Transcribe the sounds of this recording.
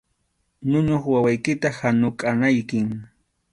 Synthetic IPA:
nʊɲoχwawajkɪt̪ahanʊkʼanajkɪŋ

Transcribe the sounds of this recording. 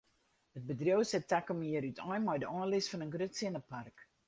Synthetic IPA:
hət̚bədrjowsɛtakəmiəɾytʰɔjmɔjdəʔɑːnlɪsfɑnənɡrøtsɪnəpark

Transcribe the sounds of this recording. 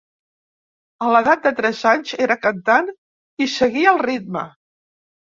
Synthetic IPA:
ələðat̪̚d̪ət̪ɾɛzaɲzeɾəkənt̪an | isəɣiəlˠrit̪̚mə̰

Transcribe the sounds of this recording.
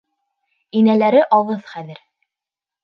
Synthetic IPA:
inælæɾɘʔɑwɤðχæðɘɾ

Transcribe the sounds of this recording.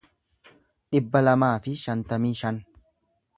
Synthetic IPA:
ᶑɪbːɐlɐmaːfɪʃɐnt̪ɐmiːʃɐn

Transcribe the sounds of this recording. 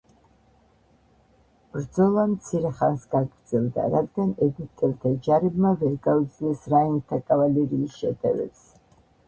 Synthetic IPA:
b̥ɾd̪zɔlˠamt̪sʰiɾɛχansɡaɡɾd̪zɛlˠd̪a̰ɾad̪ɡanɛɡit̪ʼɛlt̪ʰad͡ʒaɾɛbmavɛɾɡaud̪zilɛsɾaiŋt̪ʰakʼavalɛɾiːsʃɛd̪ɛ̰vɛ̰ps

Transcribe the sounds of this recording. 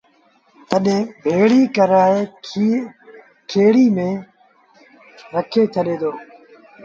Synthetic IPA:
t̪əɗẽːbʱeːɽiːkəɾaːeː | kʰeːɽiːmẽː | ɾəkʰeːt͡ʃʰəɗẽːd̪oː

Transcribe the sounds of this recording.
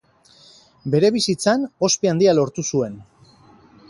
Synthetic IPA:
be̞ɾe̞βisit͡sano̞speand̪ialo̞ɾt̪usue̞n

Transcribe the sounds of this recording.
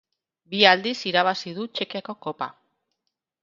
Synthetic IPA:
biald̪isiɾaβ̞asiðut͡ʃe̞kiako̞ko̞pa̰

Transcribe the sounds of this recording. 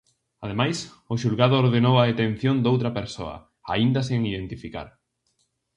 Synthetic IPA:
að̞emajs | ʊʃulɣað̞oːɾðenowaet̪ẽn̟θjond̪owt̪ɾɐpeɾso̰ɐ̰ | aind̪ɐseŋiðẽnt̪ifika̰ɾ

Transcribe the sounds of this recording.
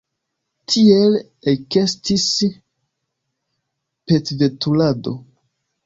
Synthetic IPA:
tʰiel | ekestis | petvetulado̰

